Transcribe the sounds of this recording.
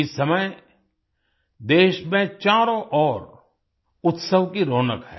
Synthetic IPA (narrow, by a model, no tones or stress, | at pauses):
ɪsɐməj | d̪eːʃmẽt͡ʃaːɾõʔɔːɾ | ʊt̪səʋkiɾoːnə̰kɦɛ̰ː